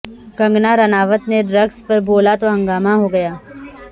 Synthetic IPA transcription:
kɐ̃ŋɡnaɾɐnaːʋət̪neɖɾɐɡspɐɾboːlat̪oɦɐ̃ŋɡaːmaɦoɡɐjaː

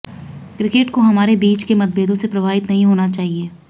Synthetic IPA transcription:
kɾɪkeʈkoɦɐmaːɾebiːt͡ʃkemɐt̪̚bʱeːd̪õsepɾɐbʱaːɪt̪nɐɦĩɦoːnat͡ʃaːɦieː

